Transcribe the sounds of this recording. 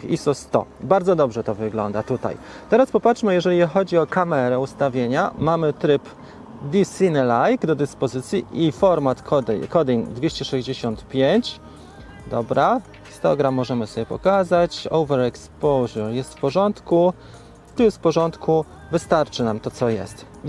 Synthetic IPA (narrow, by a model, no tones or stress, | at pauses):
isɔst̪ɔ̰baɾd̪zɔd̪ɔbʐɛt̪ɔvɘɡlɔ̰nd̪at̪ut̪a̰jt̪ɛɾaspɔpatʂmɘjɛʐɛlʲixɔd͡ʑiɔkamɛɾɛust̪avʲjeɲamamɘt̪ɾɘp | d̪ʲisinɘlajɡd̪ɔd̪ɘspɔzɘt̪sʲjiifɔɾmat̪kɔkɔd̪iŋd̪vʲeɕt͡ɕɛʂɛʑd͡ʑeɕɔnt̪pʲjeɲt͡ɕ | d̪ɔbɾa | st̪ɔɡɾamːɔʐɛmɘsɔbʲjɛpɔ̰kazat͡ɕɔ̰wvɛɾɛkspɔwʑɛɾjɛst̪fpɔʐɔnt̪ku | t̪uspɔʐɔnt̪kʰu | vɘst̪aɾt͡ʂɘnamt̪ɔt̪sɔjɛ̰st̪